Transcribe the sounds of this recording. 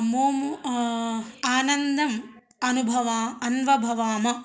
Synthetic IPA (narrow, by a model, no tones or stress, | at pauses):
moːm | aːnɐnd̪ɐm | ɐnubʱɐʋaːɐnʋɐbʱɐʋaːmɐ